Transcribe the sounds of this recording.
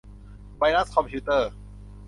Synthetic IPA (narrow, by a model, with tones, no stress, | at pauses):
wa˧jna˦˥skʰɔ˧mpʰiː˦˥t̪ɤː˥˩